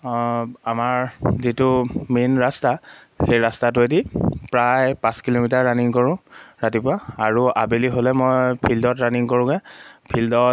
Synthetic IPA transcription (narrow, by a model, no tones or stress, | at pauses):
amaɹzitʊminɹasta | xejɹastat̬ʊedipɹajpãskilomitaɹɹaniŋkɔɹʊ̃ɹatipʊaaɹuabeliɦolɛmojpʰildɔtɹaniŋkoɹʊ̃kɛpʰildɔ